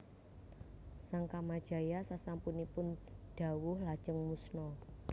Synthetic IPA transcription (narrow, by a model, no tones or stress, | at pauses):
saŋkamad̥ʒ̥a̤jasasampunipʊnɖ̥a̤wʊhlad̥ʒ̥əŋmusnɔ